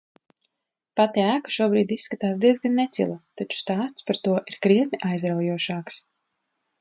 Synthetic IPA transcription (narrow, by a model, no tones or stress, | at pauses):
pat̪iæːkḁʃuɔbɾiːd̪isːkat̪aːsd̪iɛzɡanːɛt̪sḭlˠat̪at͡ʃu̥st̪aːst̪spaɾt̪uɔʔiɾkɾiɛt̪nʲiʔajzɾawjuɔʃaːks